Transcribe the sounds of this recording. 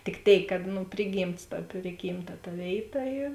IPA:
tʲɪk ˈtʲeːɪk kɐt ˈnʊ ˈpʲrʲɪˌɡʲiːmts tɐ ˈpʲrʲɪɡʲiːmˌtɐ tɐ ˈʋʲeːɪˌtɐ ˈiːr

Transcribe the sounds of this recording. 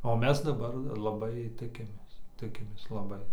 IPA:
oː ˈmʲɛs dɐˈbɐr lˠɐˈbɐɪ ˈtʲɪkʲɪmʲeːs ˈtʲɪkʲɪmʲeːs lˠɐˈbɐɪ

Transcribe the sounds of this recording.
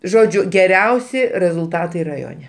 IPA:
ˈʒoːd͡ʒʲʊ ɡʲɛˈrʲɛʊsʲɪ rʲɛzʊlˠˈtɑːtɐɪ rɐˈjoːnʲɛ

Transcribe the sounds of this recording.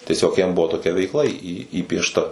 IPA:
tʲiɛˈsʲoːk jɛm ˈbʊʋoː toːˈkʲɛ ʋʲɛɪkˈlˠɐ iː iː iːpʲiɛʃˈtɐ

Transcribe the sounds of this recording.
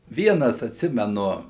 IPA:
ˈʋʲiɛnɐs ɐtʲˈsʲɪmʲɛnʊ

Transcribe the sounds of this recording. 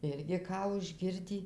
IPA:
ˈɪrʲɡʲɪ ˈkɑː ʊʒʲˈɡʲɪrʲdʲiː

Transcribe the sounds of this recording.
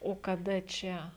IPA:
oː kɐˈdɐ ˈt͡ʃʲɛ

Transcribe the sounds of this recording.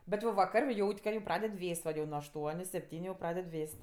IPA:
bʲɛt jɛʊ ʋɐˈkɐrʲ ˈjɛʊtʲ kɐ jɛʊ ˈprɑːdʲɛt ˈʋʲeːsʲtʲ ʋɐ jɛʊ nuɔ ɐʃˈtuɔnʲʊ sʲɛpʲˈtʲiːnʲʊ jɛʊ ˈprɑːdʲɛt ˈʋʲeːsʲtʲ

